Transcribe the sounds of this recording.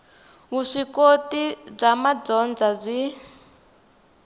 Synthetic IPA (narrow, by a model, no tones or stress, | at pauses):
βuʂikotib͡ʐamad͡zɔnd͡zab͡ʐʷi